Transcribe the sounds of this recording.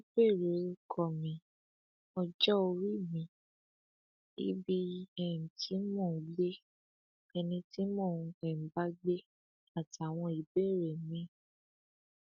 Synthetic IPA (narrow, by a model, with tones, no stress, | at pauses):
i˦be˦˨ɾe˨˦kʰɔ˨mĩ˨˦ | ɔ˧d͡ʒɔ˦o˧ɾi˦˨mĩ˧˦ | ḭ˦bi˦ɛ̃˨ti˦mɔ̃ː˦˨˦le˦ | ɛ˧nĩ˧ti˦mɔ̃˦˨˧ɛ˨m̩˨ba˦ɡ͡be˦ | a˦˨ti˨a˨w̃ɔ̃˧i˨be˦˨ɾe˨mĩ˨˦